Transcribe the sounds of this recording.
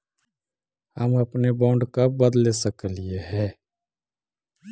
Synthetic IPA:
ɦəməpnebɔːɳɖkəbəd̪lesəklɪjeɦɛː

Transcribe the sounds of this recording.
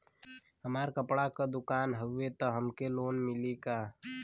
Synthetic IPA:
ɦəmaːɾkəpɽakad̪ʊkaːnɦəet̪ɔɦəmkeloːnmɪlikaː

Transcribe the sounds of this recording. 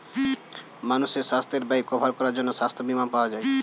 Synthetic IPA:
manuʃeʃast̪ʰeɾbaikɔbʱaɾkɔɾaɾd͡ʑonːoʃast̪ʰobimanpaoad͡ʑae

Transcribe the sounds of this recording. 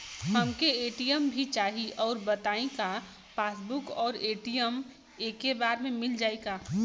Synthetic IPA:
ɦəmkeeːʈijəmbʱit͡ʃaːɦiʔɔːɾbət̪aːĩka | paːsbʊkɔːɾeːʈijəm | eːkːebaːɾmẽmɪld͡ʒaːeɡaː

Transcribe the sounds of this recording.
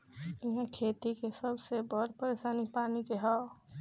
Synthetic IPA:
ɪɦẽkʰeːt̪ikesəbʱsebɔɾpəɾesaːnipaːnikeɦɔ

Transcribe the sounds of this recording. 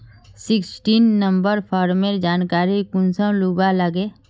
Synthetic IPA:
sɪksʈiːnːəmbəɾpʰaːɾmeɾd͡ʒaːnkaːɾikʊnsə̃luːbaləɡeː

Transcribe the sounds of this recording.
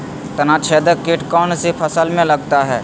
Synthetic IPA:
t̪ɐnat͡ʃʰeːd̪əkɪʈkɔːnsipʰɐsəlmẽlɐɡt̪aɦɛː

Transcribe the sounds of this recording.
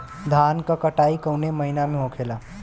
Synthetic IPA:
d̪ʱaːnkakəʈaikəwneməɦinamẽɦõkʰela

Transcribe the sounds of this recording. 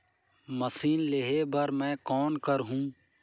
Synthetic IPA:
məsiːnleɦebəɾmɛ̃ːkɔːnkəɾɦũː

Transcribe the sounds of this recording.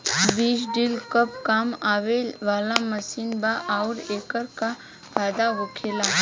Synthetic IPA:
biːt͡ʃɖilkəpkaːmaːʋeːʋaːlaməsiːnbaʔaʊɾeːkəɾka | paːd̪aɦokʰeːlaː

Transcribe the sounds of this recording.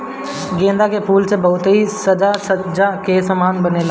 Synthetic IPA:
ɡẽːnd̪akepʰuːlsebɐɦʊt̪ɦisəd͡ʒasəd͡ʒakeːsəmaːnbənela

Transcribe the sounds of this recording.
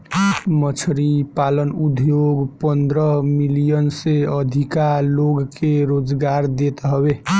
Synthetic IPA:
mət͡ʃʰɾipalənud̪ʱjoɡpənd̪ɾəɦmilijənseəd̪ʱikaloɡkeɾod͡ʒɡaɾd̪et̪ɦəbe

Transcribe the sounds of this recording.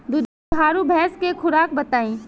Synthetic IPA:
d̪ʊd̪ʱaːɾubʱɛːskekʰʊɾaːkbɐt̪aːĩː

